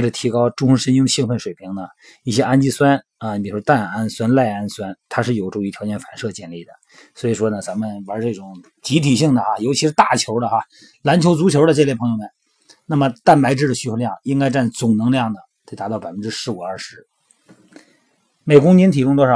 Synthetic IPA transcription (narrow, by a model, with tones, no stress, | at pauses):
ʈ͡ʂə˨˩t̪ʰi˧˥kɑ˥ʊʈ͡ʂʊ˥ŋʂə˥ʂə˥ni˥ŋd̪ə˨ɕi˥˧ŋfə˥˩nʂwe˨˩ɪpʰi˧˥ŋnə˨ | i˥˩ɕjɛ˥ʔa˥nt͡ɕi˥˩swa˥n | a˧pi˨˩ʂwɔ˥t̪a˥˩na˥nswa˥nla˥˩ɪa˥nswa˥nt̪ʰa˥ʂɻ̩˥˩jo˨˩ʊʈ͡ʂʊ˥˧ŋy˧˥t̪ʰjɑ˧˥ʊt͡ɕjɛ˥nfa˨˩nʂɤ˥˧t͡ɕjɛ˥˧nli˥˩d̪ə̰˩ | swɔ˧˥i˨˩ʂwɔ˥nə˨t͡sa˧˥mə˨nwa˧˥ʈ͡ʂɤ˥˩ʈ͡ʂʊ˨˩˦ŋ | t͡ɕi˧˥t̪ʰi˨˩ɕi˥˩ŋd̪ə˩xa˧jo˧˥ʊt͡ɕʰi˧˥ʂɻ̩˧˥t̪a˥˩t͡ɕʰjo˧˥ʊlə˧xa˧ | la˧˥nt͡ɕʰjo˧˥ʊt͡su˧˥t͡ɕʰjo˧˥ʊd̪ə˧ʈ͡ʂe˥˧ljɛ˥˩pʰɤ˧˥jo˧˩mə˨˩n | na˥˩mə˩t̪a˥˩npa˧˥ɪʈ͡ʂɻ̩˥˩ə˩ɕy˥t͡ɕʰo˧˥ljɑ˥˩ŋi˥ŋka˥ɪʈ͡ʂa˥˩n˨t͡sʊ˨˩ŋnɤ˧˥ŋljɑ˥˩ŋnə˩t̪ɪt̪a˧˥t̪ɑ˥˩ʊpa˨˩ɪfə˦˥nʈ͡ʂɻ̩˥ʂɻ̩˧˥u˨˩a˞˥˩ʂɻ̩˧˥ | me˨˩ɪkʊ˥ŋnɛ˧˥nt̪ʰi˨˩kʊ˥ŋt̪wɔ˥ʂɑ˨˩˦